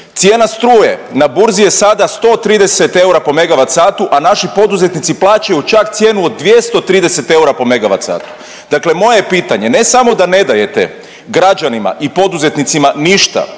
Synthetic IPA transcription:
t̪sje̞ːnast̪ɾuːje̞nabuɾzije̞sad̪ast̪o̞t̪ɾiːd̪e̞set̪e̞uɾapo̞me̞ɡaʋat̪saːt̪uʔanaʃipo̞d̪uze̞t̪nit̪siplˠaːt͡ɕajut͡ʃakt̪sje̞ːnuo̞d̪̚ːʋje̞st̪o̞t̪ɾiːd̪ese̞t̪e̞uɾapo̞me̞ɡaʋa̰t̪sa̰ːt̪u̥ | d̪akle̞mo̞jepiːt̪aɲe̞ne̞samo̞d̪ane̞d̪aje̞t̪ḛ | ɡɾad͡ʒanima̰ʔipo̞d̪uze̞t̪nit̪simaniʃt̪a̰

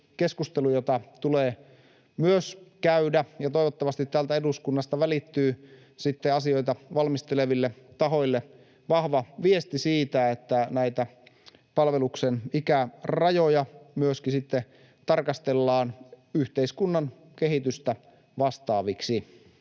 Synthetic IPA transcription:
keskust̪elujot̪ɑt̪uleː | myøskæydæjɑt̪oiʋot̪ːɑʋɑst̪it̪t̪ːæːlt̪æeduskunːɑst̪ɑʋælit̪ːyː | sit̪ːeɑsio̞it̪ɑʋɑlmist̪eleʋilːet̪ɑɦo̞jlːe | ʋɑhʋɑʋiest̪isiːt̪æet̪ːænæit̪æ | pɑlʋeluksenikærɑjojɑmyøskisit̪ːe | t̪ɑrkɑst̪elːɑːn | yht̪eiskunːɑn | kehit̪yst̪æ | ʋɑst̪ɑːʋiksi

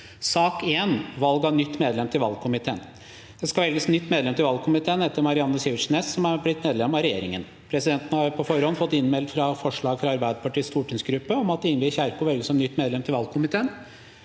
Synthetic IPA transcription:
sɑːkeːnʋɑlɡɑnʏt̪ːmeːd̪lɛmt̪ʰɪlʋɑlɡkʰʊmɪt̪ʰeːn | d̪̥ɛskɑʋɛlɡəsnʏt̪ːmeːd̪lɛmt̪ʰɪlʋɑlkʰʊmɪt̪ʰeːnɛt̪ːəɾmɑɾɪɑnːəsɪʋəʂneːssɔmæɾblɪt̪ːmeːd̪lɛmɑɾɛjḛːɾɪŋən | pʰɾɛsɪd̪ɛnt̪nəhɑɾpʰɔfɔɾhɔnfɔt̪ːɪnːmɛld̪fɾɑfɔʂɭɑːɡfɾɑɑɾbæɪd̪əpʰɑʈiːst̪uːʈɪŋsɡɾʉpːəɔmɑt̪d̪ɪŋəbiːçæɾkʊʋɛlɡəsɔmnʏt̪ːmeːd̪lɛmt̪ʰɪlʋɑlɡkʰʊmɪt̪ʰeːn

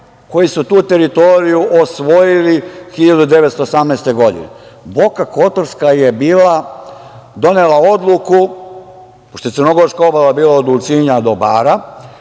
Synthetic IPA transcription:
ko̞jisut̪uːt̪e̞ɾit̪o̞ɾijuʔosʋo̞jilixiʎad̪ud̪e̞ʋet̪st̪oːsamnest̪e̞ɡo̞d̪ḭnḛbo̞kako̞t̪oɾskajebiːla | d̪o̞nelao̞d̪lˠuku | poʃt̪oesəɾno̞ɡo̞ɾskao̞balabiːlaod̪ult̪siɲad̪o̞baːɾa

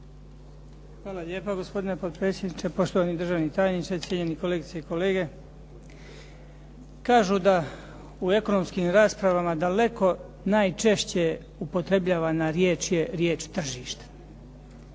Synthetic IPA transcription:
xʋaːlaʎeːpaɡo̞spo̞d̪inepo̞d̪̚pɾeːt̪sʲjed̪nit͡ʃepo̞ʃt̪oʋanid̪r̩ʒaːʋnit̪aːjnit͡ʃ̪esjeɲe̞nikoleːɡit̪seiko̞le̞ːɡe̞ | kaːʒud̪a | ue̞ko̞no̞mskiːmɾaːspɾaʋamad̪ale̞ko̞ | naːjt͡ʃe̞ʃt͡ɕe̞ | upo̞t̪ɾe̞bʎaːʋanaɾjeːt͡ʃje̞ɾjeːt͡ʃt̪r̩ʒiːʃt̪e̥

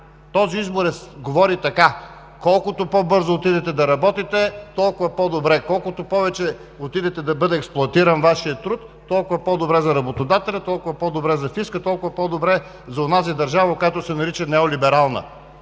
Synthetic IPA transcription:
t̪ɔziizboɾɛsɡovɔɾit̪ɐka | kɔlˠkʊt̪opobɤɾzoːt̪id̪ɛt̪ɛd̪ɐɾɐbɔt̪it̪ɛt̪ɔlˠkʊvɐpɔd̪obɾɛkɔlˠkʊt̪opɔvɛt͡ʃɛ | ot̪id̪ɛt̪ɛd̪ɐbɤd̪ɛːksplˠoɐt̪iɾənvaʃiət̪ɾut̪ːɔlˠkʊvɐpɔd̪obɾɛzɐɾɐbot̪od̪at̪ɛlʲɐt̪ɔlˠkʊvɐpɔd̪obɾɛzɐfiskət̪ɔlˠkʊvɐpɔd̪obɾɛ | zɐonazid̪ɐɾʒavɐkojat̪osɛnɐɾit͡ʃɐnɛolibɛɾalˠnə̰

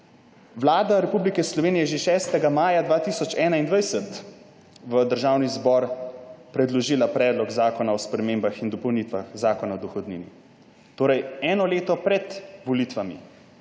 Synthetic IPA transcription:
ʋlaːd̪aɾɛpublikɛslɔʋeːnijɛʒeʃɛːst̪ɛɡamaːjad̪ʋaːt̪isɔt͡ʃɛːnaind̪ʋajsət̪ | ʋəd̪əɾʒawnizbɔɾpɾɛd̪lɔʒiːlapɾɛːd̪lɔɡzaːkɔnaɔspɾɛmeːmbaxind̪ɔpɔwnit̪ʋa̰xzaːkɔnaɔd̪ɔxɔd̪niːnḭ | t̪oːɾɛjɛːnɔleːt̪ɔpɾɛt̪ʋɔliːt̪ʋamḭ

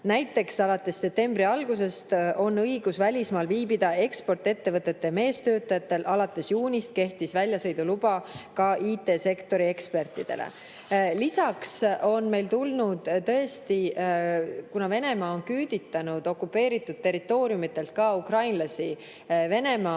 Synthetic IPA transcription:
næjt̪ːˑe̞ksɑlɑt̪ːˑe̞sːe̞p̚t̪e̞mbɾiɑlɡuse̞st̪o̞nːɤjɡ̥usvælʲismɑːlviːbid̪̥ɑe̞kspo̞rt̪e̞t̪ːe̞vɤt̪ːˑe̞t̪ːeme̞ːst̪ø̞ːt̪ːˑɑjɑt̪ːe̞lʔɑlɑt̪ːˑe̞sjuːnʲist̪̚ke̞ht̪isvælʲjɑsɤ̞jd̪ulub̥ɑkɑʔiːt̪ːe̞ːse̞kt̪o̞ɾie̞kspe̞rt̪ːˑid̪̥e̞̰lḛ | lisɑkso̞nme̞jlt̪ulnud̪̥t̪ɤ̞est̪i | kunɑve̞ne̞mɑːonkyːd̪̥it̪ːˑɑnud̪̥o̞kːˑupːˑe̞ːɾit̪ːˑud̪̥̚t̪e̞ɾit̪ːˑo̞ːɾiumit̪ːˑe̞lt̪̚kɑukrɑjnlɑsi | ve̞ne̞mɑː

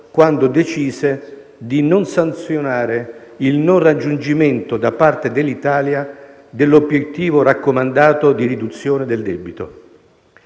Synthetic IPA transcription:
kwand̪ʊd̪et͡ʃiːse | d̪inonsant̪sjonaːɾe | ilnonrad͡ʒːund͡ʒiment̪od̪apːart̪ed̪elːit̪aːlja | d̪ɪlːobjet̪ːiːvoɾakːomand̪aːt̪od̪iɾid̪ut̪sːjoːned̪eld̪ɛbit̪o̰

